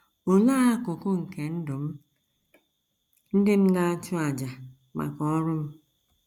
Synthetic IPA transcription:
o˨laː˦a˦kʊ˨kʊ˦ŋ̩˨ke˨n̩˦dʊ˨m̩˦ | n̩˦dɪ˦m̩˦ɡa˦tʊ˦a˨d͡ʒa˨ | ma̰˨kɔ˦ɔ˦ɾʊ˦m̩˦

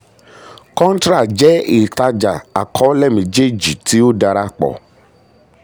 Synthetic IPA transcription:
kɔ̃˦n˦t̪ɾa˨d͡ʒɛ˦e˨t̪a˦d͡ʒa˨a̰˨kʰɔ˦lɛ˦mĩ˨d͡ʒe˦d͡ʒi˨t̪i˦wo˦ɖa˨ɾa˦k͡pɔ̰˨

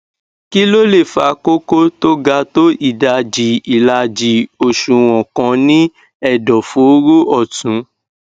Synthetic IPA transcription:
ki˦lo˦le˦˨fa˨˧ko˦ko˦to˦ɡa˧to˦i˦˨da˧d͡ʒi˧i˨la˧d͡ʒi˧o˨ʃũ˨˧w̃ɔ̃˨kɔ̃˧˦nĩ˦ | ɛ˦˨dɔ˨fu˨˦o˦ɾu˦ɔ˦˨tũ˨˦

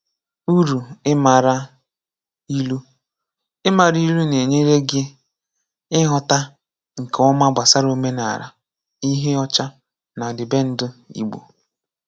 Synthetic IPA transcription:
u˦ɾu˨ɪ˦ma˨ɾa˦ | i˦lu˦ | ɪ˦ma˨ɾi˦lu˦ne˨ɲe˦ɾe˦ɡɪ˦ | ɪ˦ɦɔ˨ta˦ | ŋ̩˨kɔ˦ma˦ɡ͡ba˨sa˦ɾo˦me˦na̰˨ɾa̰˨ | i˦ɦe˦ɔ˦t͡ʃa˦ | na˨dɪ˨be˦n̩˦dʊ˦ḭ˦ɡ͡bo̰˨

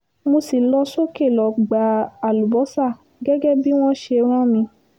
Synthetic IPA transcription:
mo˧si˨lɔ˧so˦ke˦˨lɔ˨ɡ͡ba˨˦a˨lu˨bɔ˨˦sa˦˨ | ɡɛ˦ɡɛ˦bi˦w̃ɔ̃˦ʃe˧˦ɾ̃ã˦mĩ˧

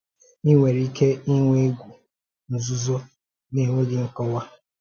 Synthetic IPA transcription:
i˦ŋʷe˨ɾi˦ke˦i˦ŋʷe˦ɡʷu˨ | n̩˨zu˦zo˦ | ni˦ɦo˦ɡɪ˨ŋ̩˦kɔ˦wa˦

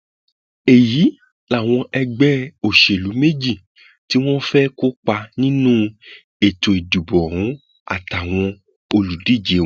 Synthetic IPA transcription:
e˨ji˨˦ | la˦˨w̃ɔ̃˧ʔɛ˧ɡ͡bɛ˦o˨ʃe˨lu˨˦me˦d͡ʒi˦˨ | ti˦w̃ɔ̃˦fɛ˦ko˦k͡pa˧nĩ˦nũ˦ | e˨to˨e˨du˨bɔ˨ɾũ˨˦ | a̰˦˨ta˨w̃ɔ̃˧ | o˧lu˨di˦˨d͡ʒe˨˦˨

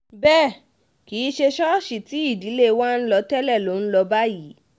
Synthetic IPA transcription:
bɛː˦˨ | ki˨˦ʃe˧ʃɔ˦ʃi˨ti˨˦i˦˨di˨˦le˦˧wa˦n̩˦lɔ˧tɛ˦lɛ˦˨lo˨˦n̩˦lɔ˧ba˦ji˨˦

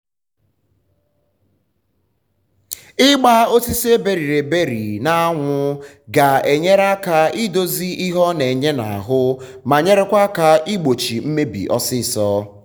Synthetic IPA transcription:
ɪ˦ɡ͡ba˦o˦si˦se˦be˨ɾi˨ɾe˨be˦ɾi˨na˦a˦ŋʷʊ˦ | ɡa˨e˨ɲe˦ɾa˦ka˨i˦do˦zi˦ʔi˦ɦɔ˦ne˨ɲe˦na̰˨a̰˨ɦʊ˦ | ma˨ɲe˦ɾe˦kʷa˦ka˨i˦ɡ͡bo˨t͡ʃi˨m̩˦me˦bḭ˨ʔɔ˦sɪ˦˨sɔ˦

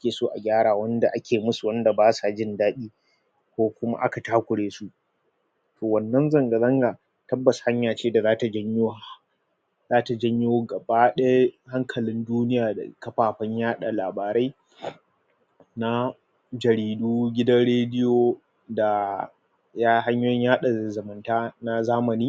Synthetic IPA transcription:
ʔa˦kʲeː˨soː˦ʔa̰˨ɡʲaː˦ɽaː˨wɐ˦nda˨ʔa˦kʲʰeː˨mʊ˦su˨wɐ˦nda˨baː˦sa˨d͡ʒɪ˦ndaː˦ɗiː˦ | kʷoː˦kʷʊ˦ma̰˦ʔa̰˦ka˨taː˦kʷʊ˨ɽeː˦su˦ʔ | tʰoː˨wɐ˨nːɐ˦nzɐ˦ŋɡa˨zɐ˦ŋɡaː˨ | tɐ˦bːɐ˨sha˦ɲjaː˨t͡ʃeː˦da˨zaː˦ta˨d͡ʒɐ˦ɲjɪ˦wa˦˨ | zaː˦ta˨d͡ʒɐ˦ɲjo˦ɡɐ˨baː˦ɗɐ˦ja˦ha˦ŋkʰɐ˨lɪ˦nduː˦nɪ˦jaː˨da̰˨kɐ˦ɸaː˨ɸɐ˦ɲjaː˦ɗa˨laː˨baː˨ɾa˦j | na˦ | d͡ʒɐ˨ɾiː˨duː˦ɡʲɪ˦dɐ˦nɽeː˦dɪ˦jo˨ | da˨ | jaː˦ɦa˦ɲjoː˦jɛ˦ɲjaː˦ɗa˨zɐ˨mɐ˨ntaː˦na˦zaː˦mɐ˨niː˦

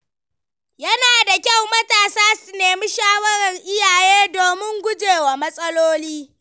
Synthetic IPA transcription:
jɐ˦naː˨da˨kʲa˦˨wmɐ˦taː˨saː˦su˨neː˨mi˦ʃaː˦wɐ˦ɾɐ˨ŋʔɪ˦jaː˨jeː˦doː˨mɪ˦ŋɡʷʊ˦d͡ʒeː˨waː˨mɐ˦sʼɐ˦loː˦liː˦

